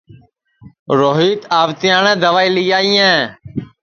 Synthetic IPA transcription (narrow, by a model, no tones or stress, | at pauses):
ɾoːɦiːt̪aːʋt̪ɪjaːɳɛ̃ːd̪əʋaːiːlɪjaːijɛ̃ː